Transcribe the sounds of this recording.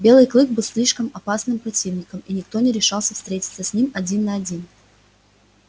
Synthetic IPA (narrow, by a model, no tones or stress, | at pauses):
bʲe̞lˠɨjklˠɨk̚bɨlˠsʲlʲiʂkəmɐpasnɨmpɾɐtʲivnʲɪkəminʲɪk̚t̪o̞nʲɪɾʲɪʂɑlˠsʲəfst̪ɾʲetʲɪ̥t̪səsʲnʲimɐdʲinːɐɐdʲin